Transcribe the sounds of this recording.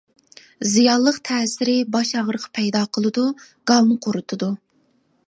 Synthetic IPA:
zijɑllˠːəqt̪ʰɛːsɪɾɪbɑʃɑʁɾəqʰɑ̥pʰɛjd̪ɑːqʰəlˠɨd̪u | ɡ̥ɑlˠnɨqʰoɾɨt̪ʰɨd̪u

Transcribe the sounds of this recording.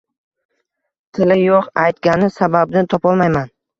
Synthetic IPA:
t̪ʰɪlɪjoqajt̪ɡʲanɪsabab̚nɪt̪ʰɒpɒlˠmajman

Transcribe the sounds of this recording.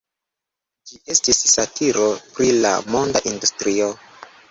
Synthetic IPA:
d͡ʒiʔe̞stisːatʰiɾo̞pɾila̰mo̞ndaʔindustɾio

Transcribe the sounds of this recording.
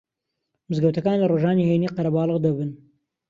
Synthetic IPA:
mɨzɡɐwt̪ɐkaːnlɐroʒaːniːhejniːqɐɾɐbɑːlˠɨɣd̪ɐbɨn

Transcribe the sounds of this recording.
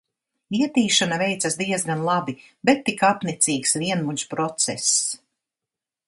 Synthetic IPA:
viɛt̪iːʃanavɛjt̪sasd̪iɛzɡanlˠabibɛt̪ːikapnit̪siːksviɛnmuɲt͡ʃpɾɔt̪sɛ̰s

